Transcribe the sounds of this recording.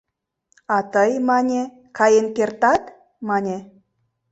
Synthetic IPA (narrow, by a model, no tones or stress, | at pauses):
ɑt̪əjmɑnʲe | kʰɑjenkʲert̪ɑt̪ | mɑnʲe